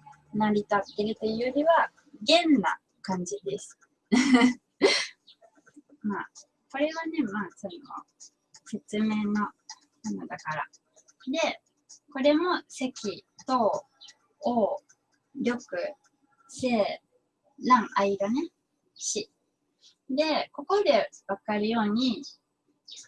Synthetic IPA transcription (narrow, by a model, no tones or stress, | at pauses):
naɾʲit̪at̪ːe̞ɾɯ̟t̪eɯjoɾʲiβa | ɡẽ̞nːa̰ | kãɲ̟d͡ʑid̪e̞sɨ̥ | maː | ko̞ɾe̞βane̞maːsoɾimo̰ | se̞t͡sɨme̞ːno̞ | kanad̪akaɾa̰ | d̪e̞ | ko̞ɾe̞mo̞se̞kʲit̪o̞ː | o | ɾjo̞kɯ̟ | se̞ː | lãŋʔaid̪ane̞ | ɕi | d̪e̞ko̞ko̞d̪e̞βakaɾɯ̟jo̞ːɲ̟i